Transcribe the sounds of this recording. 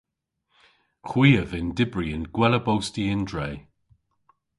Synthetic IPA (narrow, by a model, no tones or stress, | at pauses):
xwiːəvɪndɪbɹiɪnɡ̥wɛləbowstiɪndɹeːj